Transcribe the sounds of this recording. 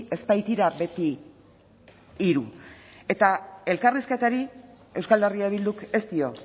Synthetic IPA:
e̞spajt̪iɾaβe̞t̪i | ɾue̞t̪ae̞lkariske̞t̪aɾi | e̞wskald̪eriaβild̪uke̞st̪io̞

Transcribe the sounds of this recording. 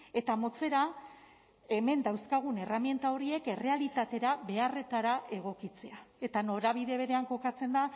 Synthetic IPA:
e̞t̪amo̞t͡se̞ɾa | e̞me̞nd̪awskaɣ̞une̞ramje̞nt̪ao̞ɾie̞ke̞re̞alit̪at̪e̞ɾaβe̞are̞t̪aɾae̞ɣ̞o̞kit͡se̞ae̞t̪ano̞ɾaβ̞iðe̞βe̞ɾe̞aŋko̞kat͡se̞nd̪a

